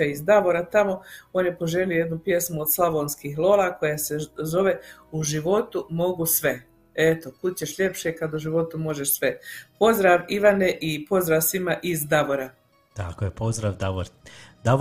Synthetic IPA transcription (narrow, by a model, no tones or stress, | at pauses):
aizd̪aʋo̞ɾat̪amo̞oːnjepo̞ʒeliojed̪nupje̞smuod̪slaʋoːnskiːxlˠo̞ːlˠako̞jese̞zo̞ʋe̞uʒiʋo̞t̪umo̞ɡusʋe̞ | et̪o̞kut͡ɕeʃʎe̞pʃekad̪uʒiʋo̞t̪umo̞ʒe̞ʃsʋe̞po̞zd̪ɾaːʋiʋaneʔipo̞zd̪ɾaːʋsʋimaʔizd̪aʋo̞ɾa | t̪akojepozd̪ɾaʋd̪aʋoɾd̪a